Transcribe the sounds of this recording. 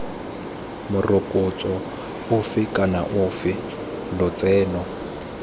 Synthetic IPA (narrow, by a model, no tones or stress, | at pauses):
mʊrʊkʼʊt͡sʼɔ | ʊfɪkʼana̰ʔʊfɪ | lʊt͡sʼɛːnɔ